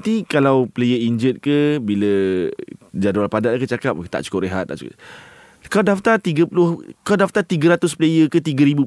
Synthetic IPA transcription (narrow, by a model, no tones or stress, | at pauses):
t̪ikalawplejəiɲd͡ʒət̪̚kəbilə | d͡ʒadualpadaʔkət͡ʃakap̚kt̪a̰ʔt͡ʃu̥kʊpɾeɦat̪̚ːa̰ʔt͡ʃuk | kaladaft̪at̪iɡəpulʊhkaladaft̪at̪iɡəɾat̪ʊsplejəkət̪iɡəɾibu